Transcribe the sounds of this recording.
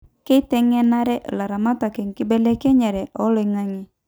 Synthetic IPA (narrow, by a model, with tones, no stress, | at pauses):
ke˦t̪ɛ˦ŋɛ˦na˦ɾɛ˦ʔla˨ɾa˨ma˦t̪a˨kɛ˨ŋkɪ˦bɛ˦lɛ˦kɛ˦ɲɛ˨ɾɛ˨ʔɔ˦lɪ˨ŋa˦ŋi˦